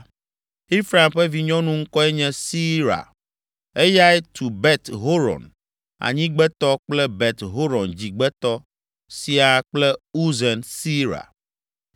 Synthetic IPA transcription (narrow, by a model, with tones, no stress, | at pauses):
i˦fɾa˨mɸe˦vi˨ɲɔ̃˦nũ˦ŋ̩˦kɔ˦ɛ˦ɲɛ̃˦si˦ɾa̰˨ | e˦ja˦ɛ˦t̪ʰu˨bɛ˦t̪ɦo˦ɾɔ̰˨n | a̰˨ɲĩ˦ɡ͡bɛ˦t̪ɔ˦k͡plɛ˦bɛ˨t̪ɦo˦ɾɔ̃˨nd͡ʑi˨ɡ͡bɛ˦t̪ɔ˦ | si˨a˨k͡plɛ˦u˦zɛ˨nsi˦ɾa̰˨